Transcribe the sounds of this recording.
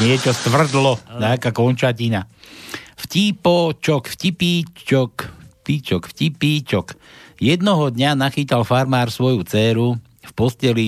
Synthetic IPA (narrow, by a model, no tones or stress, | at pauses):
nɪɛt͡ʃɔst̪ʋr̩d̪lɔɲakaːkɔnt͡ʃacina | fcipɔt͡ʃɔkfcipiːt͡ʃɔkpit͡ʃɔkfcipiːt͡ʃɔkjɛd̪nɔɦɔd̪ɲanaxiːt̪alfaɾmaːɾsʋɔjut͡sɛːɾu | fpɔscɛli